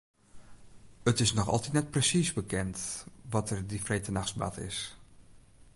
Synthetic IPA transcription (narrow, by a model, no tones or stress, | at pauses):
ətɪsnɔxɑ̰lˠtitnɛt̚prəsisbəkɛntʋɔtərdifreːtənaxsba̰tʰɪ̰s